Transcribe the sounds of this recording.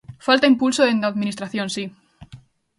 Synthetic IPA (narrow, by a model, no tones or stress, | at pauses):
falt̪aimpulsoðend̪aðminist̪ɾaθjõnsi